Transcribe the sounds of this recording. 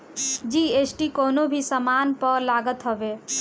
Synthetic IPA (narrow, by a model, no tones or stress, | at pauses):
d͡ʒiːesʈikoːnobʱisəmaːnpəɾlaːɡət̪ɦəʋe